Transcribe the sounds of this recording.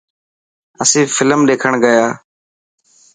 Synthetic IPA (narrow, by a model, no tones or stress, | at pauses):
əsĩːfɪləmɗeːkʰəɳɡəjaː